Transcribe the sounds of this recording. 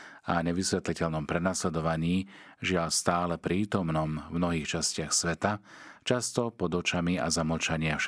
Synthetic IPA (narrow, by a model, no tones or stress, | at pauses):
a̰ɲɛʋisʋɛt̪licɛʎnɔmpɾɛnaslɛd̪ɔʋaɲiːʒɪalst̪aːlɛpɾiːt̪ɔmnɔmvmnɔɦiːxt͡ʃascɪaxsʋɛt̪at͡ʃast̪ɔpɔd̪ɔt͡ʃamia̰zamɔt͡ʃaɲɪa